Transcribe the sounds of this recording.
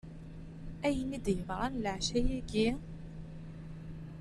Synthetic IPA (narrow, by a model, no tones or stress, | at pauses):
æjənid̪jəvɾˤɑnləʕʃæjæɡi